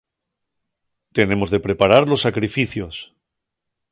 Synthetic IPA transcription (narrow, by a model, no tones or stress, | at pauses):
t̪e̞ne̞mo̞zðe̞pɾe̞paɾaɾlo̞sːakɾifiθjo̞s